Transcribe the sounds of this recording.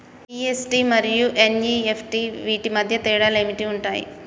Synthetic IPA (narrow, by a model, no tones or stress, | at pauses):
iesʈimɐɾijuʔeniːepʰʈiʋiːʈimɐd̪ʱjɐt̪iːɽaːlemiʈiuɳʈaːjḭ